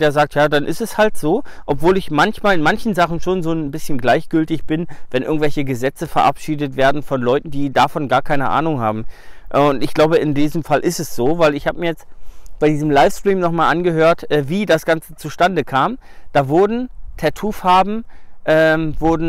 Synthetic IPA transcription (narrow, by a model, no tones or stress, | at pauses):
d̥eːɐzaːk̚tjaːdanʔɪ̰stɛshaltz̥oːʔɔpv̥oːlɪçmançmaːlɪnmançn̩zaχn̩ʃoːnzoːnnbɪsçənɡlaɪçɡ̥ʏltɪçb̥ɪnvɛnʔɪɐɡŋ̩tvɛlçəɡəzɛt͡səfɛɐʔa̰pʃiːdətv̥eːɐdn̩fɔnlɔʏtn̩diːdafɔnɡaːɐkʰaɪnəʔa̰ːnʊŋhaːbm̩ʔʊntɪçɡ̥laʊbəɪndiːzəmfalʔɪstɛsz̥oːvaɪlɪçhaːbəmɪɐjɛt͡stb̥aɪdiːzəmlaɪfstʁ̥iːmnɔχmaːlʔanɡəɦøːɐtʔɛːviːdasɡ̥ant͡sə̥t͡suʃtandəkʰaːm | d̥aːvʊɐdn̩tʰɛtʰuːfhaːbm̩ʔɛːmvʊɐdn̩